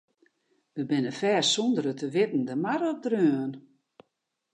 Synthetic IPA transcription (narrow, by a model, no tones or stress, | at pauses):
ʋəbɪnəfɛːsɔndəɾətəʋɪtn̩dəmaɾɔp̚drøːən